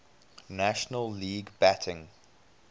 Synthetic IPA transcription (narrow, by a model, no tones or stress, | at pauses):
næʃənəlːiːɡbætʰɪ̃ŋ